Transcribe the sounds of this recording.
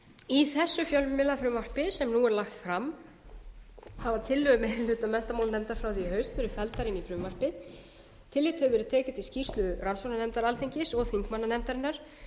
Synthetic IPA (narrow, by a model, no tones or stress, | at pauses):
iθɛsːʏfjœlvʏmɪlːafɾʏːmvar̥pɪsɛmnuɛɾlaxt̪fɾam | havat̪ʰɪlːʏɣʏmɛðɪlːʏːt̪amɛn̥t̪amaːwlnɛmt̪aɾ̥fɾawðihɦœɥst̪fɛɾʏfɛlt̪aɾɪnifɾʏːmvar̥pɪ | t̪ʰɪlːɪːt̪hɛʏvɛːɾɪðt̪ʰeːcɪt̪iscist̪lʏransownanɛmt̪aɾalθiɲcɪsɔɣθiŋkmanːanɛmt̪aɾɪnːaɾ̥